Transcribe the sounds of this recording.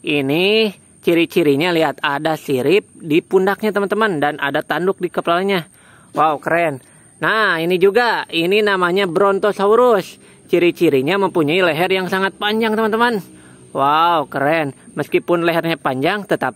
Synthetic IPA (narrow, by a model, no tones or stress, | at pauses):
ʔini | t͡ʃiɾit͡ʃiɾiɲaliɦat̪adasiɾɪp̚dipundak̚ɲat̪əmant̪əmandana̰dat̪andʊk̚dikəplalɲa | waukəɾɛnː | ainid͡ʒuɡaininamaɲabəɾɔnt̪ɔsauɾʊs | t͡ʃiɾit͡ʃiɾiɲaməmpuɲaileɦɛrjaŋsaŋat̪̚paɲd͡ʒaŋt̪əmant̪əman | waukəɾɛnməskipʊnlɛɦɛrɲapaɲd͡ʒaŋt̪ət̪ap̚